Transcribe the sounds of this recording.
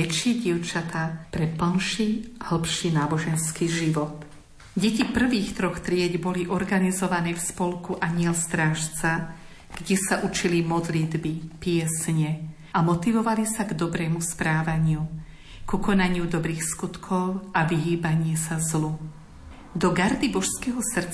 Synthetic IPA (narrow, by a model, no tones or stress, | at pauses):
ɛt͡ʃɪɛɟiɛʊt͡ʃat̪aːpɾɛpl̩nʃihl̩pʃinaːbɔʒɛnskiʒiʋɔt̪ | ɟɛcipr̩ʋiːxt̪ɾɔxt̪ɾɪɛɟbɔliʔɔɾɡanizɔʋanɛːfspɔlkuʔaɲɪɛlst̪ɾaːʃt͡sa | ɡ̥ɟɛsaʔut͡ʃilimɔd̪lid̪bipɪɛsɲɛ | amɔt̪iʋɔʋalisaɡd̪ɔbɾɛːmuspɾaːʋaɲɪu | kukɔnaɲɪud̪ɔbɾiːxskut̪kʰɔʊaʋiɦiːbaɲɪɛsazlu | d̪ɔɡaɾd̪ibɔʃskɛɦɔsr̩